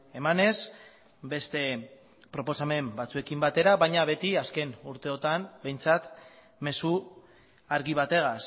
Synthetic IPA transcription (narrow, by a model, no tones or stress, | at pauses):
e̞mane̞z | be̞st̪e̞ | pɾo̞po̞same̞mbat͡sue̞kimbat̪e̞ɾaβaɲaβe̞t̪iaske̞nuɾt̪e̞o̞t̪ambe̞jnt͡sat̪ | me̞su | aɾɣiβat̪e̞ɣas